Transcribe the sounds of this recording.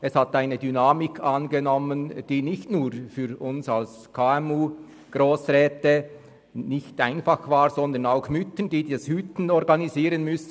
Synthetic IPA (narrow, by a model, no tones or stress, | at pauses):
ɛshat̪aɪnədynaːmɪkʰanɡenɔmənd̥iːnɪçtnuːɾfyːɾʊnsals | kʰaːɛmuː | ɡ̥ʁoːsʁɛːtə | nɪçtaɪnfɑχvaːʁzɔnd̪ənaʊxmʏtənd̥iːdashytn̩ɔʁɡɑniziːʁənmʏs